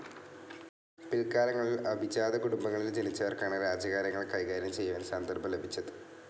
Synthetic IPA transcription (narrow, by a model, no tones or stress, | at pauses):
pilkaːlɐŋːɐɭilɐbʱit͡ɕːaːðɐkuɽumbɐŋːɐɭild͡ʑenit͡ɕːɐʋɐrkaːɳɨɾaːd͡ʑɐɣaːɾjɐŋːɐɭkɐjɣaːɾjɐmt͡ɕe̞jːuʋɐnsand̪ɐrbɐle̞bʱit͡ɕːɐðɨ̥